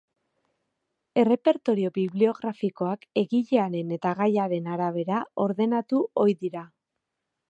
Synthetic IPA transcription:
e̞re̞pe̞ɾt̪o̞ɾio̞βiβlio̞ɣɾafiko̞ake̞ɣiʎeaɾe̞ne̞t̪aɣajaɾe̞naɾaβ̞e̞ɾao̞ɾðe̞nat̪uo̞jðiɾa

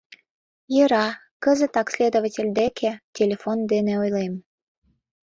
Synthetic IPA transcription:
jəɾɑ | kəzə̆t̪ɑksʲlʲed̪ovatʲelʲd̪ekʰetʲelʲefond̪eneojlem

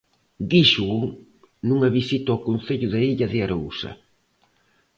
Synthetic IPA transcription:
d̪iʃuu | nuŋɐβisit̪akon̟θeʎʊðɐiʎɐðɪaɾausɐ̰

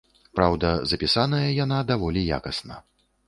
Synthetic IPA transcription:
pɾawd̪ɐzɐpʲisanɐjɐjanad̪avɔlʲija̰kɐsnɐ̰

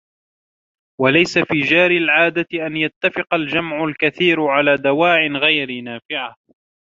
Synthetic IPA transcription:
walajsafiːd͡ʒaːɾɪlʕaːd̪at̪ɪʔanjat̪ːafɪqɑld͡ʒamʕʊlkaθiːɾʕalaːd̪awaːʕɪnɣajɾɪnaːfɪʕa

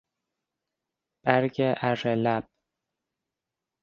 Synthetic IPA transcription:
b̥æɾɟeʔærelæb̥̚

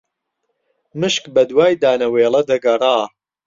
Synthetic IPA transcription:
mɨʃkbɐd̪waːjd̪aːnɐweːlˠɐd̪ɐɡɐrˤaː

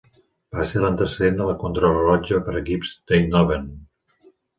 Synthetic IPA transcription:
b̥aselənt̪əsəðend̪ələkunt̪ɾoləlɔd͡ʒəpəɾəkipz̥d̪̥ejnɔβen

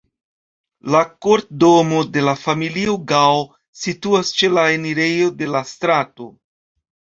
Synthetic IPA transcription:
lakoɾt̚do̞mo̞de̞lafamilioɡaw | situast͡ʃe̞laeniɾe̞jo̞de̞lastɾato̞

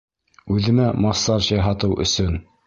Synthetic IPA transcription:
ʉðɘ̆mæmɑsːɑɾɕɑjɦɑt̪ɤwʔɵ̰̆sɵn

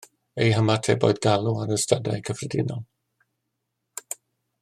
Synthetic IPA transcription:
ejɦəmatʰḛbo̰ɨdɡalˠuaɾəstadajkʰəfrədɪ̰nɔlˠ

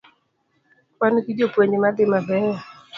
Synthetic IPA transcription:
kwankid͡ʒopweɲimad̪ɪmabɛ

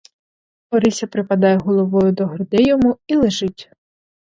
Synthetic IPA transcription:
ɔɾisʲɐpɾɪpɐd̪ɑjeɦɔlˠɔʋɔjʊd̪ɔɦrd̪ɛjɔmuilˠeʒɪtʲ

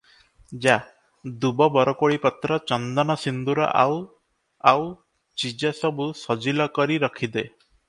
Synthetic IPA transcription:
d͡ʒa | d̪ubɔbɔɾɔkoɭipɔt̪ɾɔt͡ʃɔnd̪ɔnɔsind̪uɾɔ̰ʔa̰w | aw | t͡ʃid͡ʒɔsɔbusɔd͡ʒilɔkɔɾiɾɔkʰid̪e

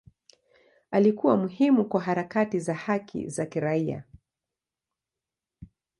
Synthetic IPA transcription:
alikuwamuhimukwaɦaɾakatizahakʰḭzakiɾaia̰

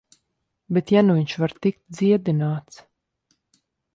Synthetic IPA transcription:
bet̪januviɲʲt͡ʃvaɾt̪ik̚t̪̚d̪ziɛd̪inaːt̪s

